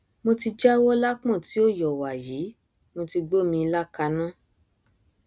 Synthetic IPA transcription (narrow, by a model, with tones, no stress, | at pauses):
mo˧ti˧d͡ʒa˦wɔ˦la˦k͡pɔ̃˦˨ti˨˦o˦˨jɔ˨wa˨jiː˨˦ | mo˧ti˧ɡ͡bo˦˨mĩ˧la˦ka˧nã˦